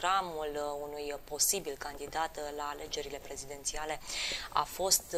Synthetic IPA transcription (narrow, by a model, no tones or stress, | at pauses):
ɾamulunujpo̞sibilkand̪id̪at̪laːle̞d͡ʒe̞ɾile̞pɾe̞zid̪e̞nt̪siale̞a̰fo̞st̪